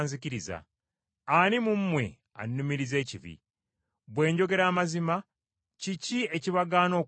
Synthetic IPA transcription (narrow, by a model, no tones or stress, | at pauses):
nziciɾiza̰ | animumːwe̞̰ | a̰nːumiɾize̞ːciβḭ | bwe̞ːɲɟo̞ɡe̞ɾaːmazima | cicie̞ciβaɡaːno̞ː